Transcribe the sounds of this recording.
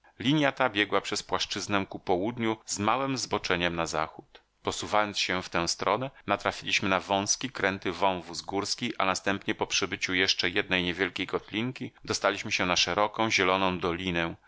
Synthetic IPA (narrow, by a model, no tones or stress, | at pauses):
lʲiɲjat̪abʲjɛɡwapʂɛspwaʂt͡ʂɘznɛw̃kupɔwud̪ɲuzmawɘmzbɔt͡ʂɛɲɛmnaza̰xut̪ | pɔsuvajɔnt̪sɕɛft̪ɛ̃w̃st̪ɾɔnɛnat̪ɾafʲilʲiɕmɘnavɔ̃w̃skʲikɾɛnt̪ɘvɔ̃w̃vuzɡuɾskʲiʔanast̪ɛmpɲɛpɔpʂɘbɘt͡ɕujɛʂt͡ʂɛjɛd̪nɛjɲɛvʲjɛlkʲejkɔt̪lʲiŋkʲid̪ɔst̪alʲiɕmɘɕɛnaʂɛɾɔkɔ̃w̃ʑɛlɔnɔ̃w̃d̪ɔlʲinɛ̃